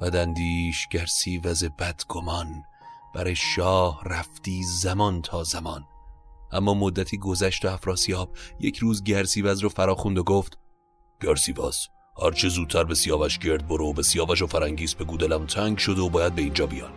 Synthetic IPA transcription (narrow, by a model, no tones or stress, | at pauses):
b̥æd̪ænd̪iːʃɡ̥æɾsiːvæzebæd̪̥ɡ̥omɒnb̥æɾeʃɒːhræft̪iːzæmɒnt̪ʰɒːzæmɒnʔæmːɒːmod̪ːæt̪ʰiːɡo̞zæʃt̪oæfɾɒːsijɒːb̥̚jecʰɾuːzɟæɾsiːvæzɾofæɾɒːxund̪oɡoːft̪ | ɡ̥æɾsiːvɒ̰ːz̥ | hæ̰ɾt͡ʃʰezuːd̪̚t̪ʰæɾbe̞sijɒːvæʃɟe̞ɾd̪̚boɾeobe̞sijɒːvæʃ̬ofæɾæŋɟiːzbe̞ɡuːd̪elæmt̪ʰæŋɡʃod̪eobɒːjæd̪̚beiːnd͡ʒɒːbijɒ̰ːn